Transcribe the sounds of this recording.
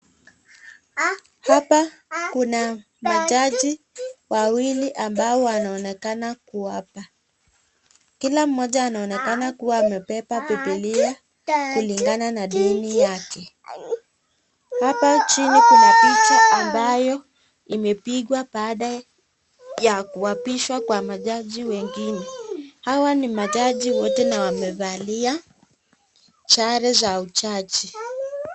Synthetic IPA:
hapakuna | mad͡ʒad͡ʒi | wawiliʔambaɔanaɔnɛkanakuapa | kilam̩mːɔʄaːnaɔnɛkanakuwaːmɛpɛpapɛpɛlia | kuliŋɡananaɗinijakɛ | hapat͡ʃinikunapit͡ʃaʔambajɔ | imɛpiɠwaɓaːɗa | jakuwapiʃwakwamaʄaʄiwɛŋɡinɛhawanimaʄaʄiwɔtɛnawamɛvalia | t͡ʃaɾɛzaut͡ʃat͡ʃi

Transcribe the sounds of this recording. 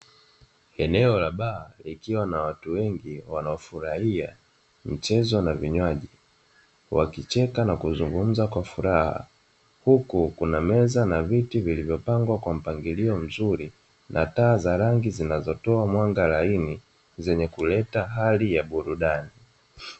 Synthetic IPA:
ɛnɛɔlaɓaːlikiwanawatuwɛŋɡiwanaɔfuɾahia | m̩t͡ʃɛzɔnaviɲwaʄi | wa̰kit͡ʃɛkanakuzuŋɡum̩zakwafuɾaha̰ | hukukunamɛzanavitivilivjɔpaŋɡwakwam̩paŋɡiliɔm̩zuɾi | nʔataːzaɾaŋɡizinazɔtɔamwaŋɡalaini | zɛɲɛkulɛtaɦalijaɓuɾuɗani

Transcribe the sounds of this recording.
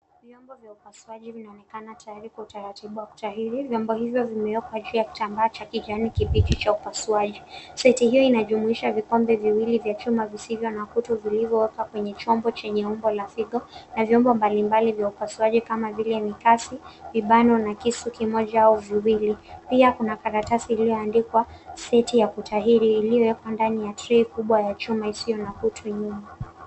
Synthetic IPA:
vjɔmbɔvjaupasuaʄivinaɔnɛkanatajaɾikwautaɾatiɓuwaku̥tahiɾivjɔmbɔhivjɔvimɛɛkwad͡ʒuajaku̥tambaːt͡ʃakiʄanikiɓitit͡ʃaupasuaʄisɛitihijɔinaʄumuiʃavikɔmbɛviwilivjat͡ʃumavisivjɔnakutuvilivjɔwɛkakwɛɲɛt͡ʃɔmbɔt͡ʃɛɲɛumbɔlafiɠɔnavjɔmbɔmbalimbalivjaupasuaʄikamavilɛnikasiviɓanɔnakisukimɔʄaauviwilipiakunakaɾatasiːlijɔandikwasɛtijakutʰaɦiɾiːlijɔwɛkwandanijatɾɛikuɓwajat͡ʃumaisijɔnakutʰuɲuma

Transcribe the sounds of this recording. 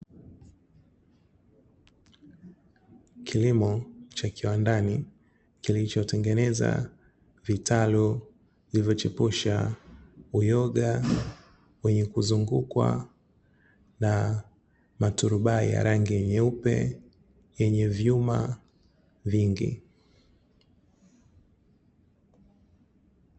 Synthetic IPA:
kʰilimɔt͡ʃakiwandani | kilit͡ʃɔtɛŋɡɛnɛza̰ | vitalu | ilivjɔt͡ʃipuʃa̰ | ujɔɡa | wɛɲɛkuzuŋɡukwa̰ | na | matuɾuɓaḭja̰ɾaŋɡijɛɲɛupɛ̰ | jɛɲɛvjuma | viŋɡḭ

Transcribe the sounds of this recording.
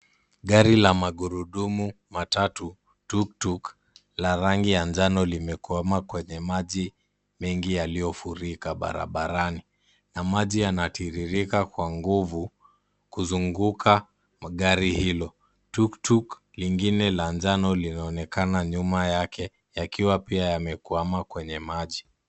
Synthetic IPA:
ɠaɾilamaɠuɾuɗumu | matatu | tuk̚tuk | laɾaŋɡijand͡ʒanɔlimɛkuamakwɛɲɛmaʄi | mɛŋɡijalijɔfuɾikaɓa̰ɾa̰ɓaɾani | namaʄijanatʰiɾiɾikakwaŋɡuvu | kuzuŋɡukʰa | ɠaɾihilɔ | tuktuk | liŋɡinɛland͡ʒanɔlinaɔnɛkanaɲumajakʰɛ | jakiwapiajamɛkuamakwɛɲɛmaʄi

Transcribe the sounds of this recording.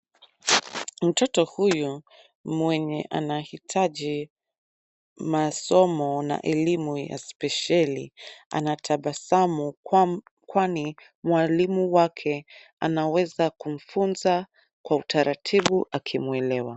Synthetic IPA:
m̩tɔtɔhuju | mwɛɲɛ̰ʔanahitʰaʄi | masɔmɔna̰ʔɛlimuja̰spɛʃalḭa̰natʰaɓasamu | kwani | mwalimuwakʰɛ | anawɛzakum̩funza | kwautaɾatʰiɓuʔakʰimwɛlɛwa

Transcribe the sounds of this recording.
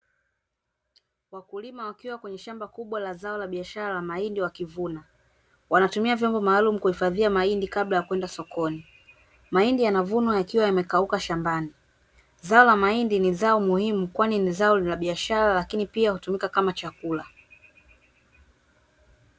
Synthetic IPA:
wakulimawakiwakwɛɲɛʃambakuɓwalazaɔlaɓiaʃaɾalamaindiwakivuna | wanatumiavjɔmbɔmaːlumukuhifaðiamaindikaɓlajakwɛndasɔkʰɔni | maindijanavunɔjakiwajamɛkaukaʃambani | zaɔlamaindinizaɔmuhimukwaninizaɔlaɓiaʃaɾalakinipiahutumikakamat͡ʃakula

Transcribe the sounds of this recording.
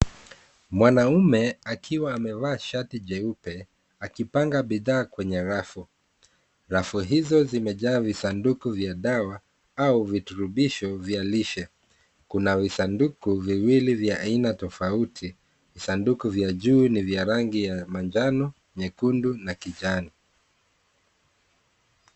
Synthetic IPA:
mwanaumɛakʰiwaːmɛvaːʃatiʄɛupɛ | akipaŋɡaɓiðaːkwɛɲɛɾafu | ɾafuɦizɔzimɛʄaːvisandukuvjaɗawa | auvituɾuɓiʃɔvjaliʃɛ | kunavisandukuviwilivjaʔainatɔfautʰi | visandukuvjaʄuːnivjaɾaŋɡijamand͡ʒanɔ | ɲɛkundunakiʄani

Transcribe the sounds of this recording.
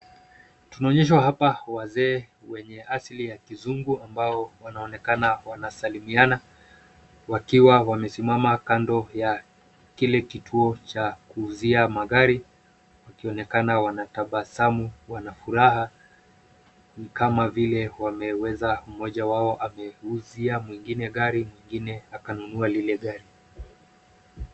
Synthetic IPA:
tunaɔɲɛʃ̬waɦapawazɛː | wɛɲɛaslijakizuŋɡuambaɔwanaɔnɛkanawanasalimiana | wakiwawamɛsimamakandɔja | kilɛkitʰuɔt͡ʃakuːziamaɣaɾi | wakiɔnɛkanawanataɓasamuwanafuɾaha | nikamavilɛwamɛwɛzam̩mɔʄawaɔʔamɛuziamwiŋɡinɛɠaɾimwiŋɡinɛakanunualilɛɠaɾi

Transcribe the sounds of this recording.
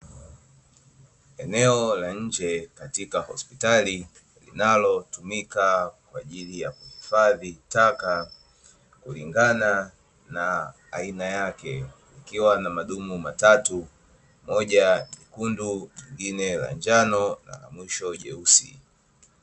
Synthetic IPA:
ɛnɛɔlaɲ̩d͡ʒɛkatikahɔ̰spitali | lḭnalɔtumikakwaʄilijakuhifaðitaka | kuliŋɡana | na̰ː | inajakɛlikiwanamaɗumumatatu | mɔʄaɲikunduɲiŋɡinɛla̰nd͡ʒanɔna̰la̰mwiʃɔʄɛusḭ

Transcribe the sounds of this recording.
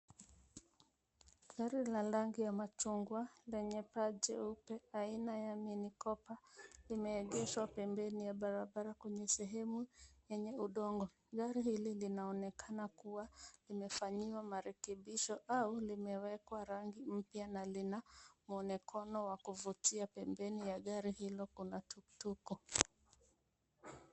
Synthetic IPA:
ɡaɾilalaŋɡijamat͡ʃuŋɡwalɛɲɛpad͡ʒɛ̰upɛainajaminikɔpalimɛːɠɛʃwapɛmbɛnijaɓaɾaɓaɾakwɛɲɛsɛɦɛmujɛɲɛuɗɔŋɡɔ | ɠaɾihililinaɔnɛkʰanakuwalimɛfaɲiwamaɾɛkɛɓiʃɔʔaulimɛwɛkwaɾaŋɡim̩pjanalinamuɔnɛkʰɔnɔwakuvutiapɛmbɛnijaɠaɾihilɔkunatutukɔ

